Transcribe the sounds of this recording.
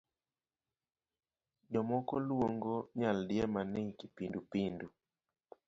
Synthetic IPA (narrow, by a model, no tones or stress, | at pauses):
d͡ʒɔmɔkɔlwoŋɡoɲaldjɛmaneŋkipindupindu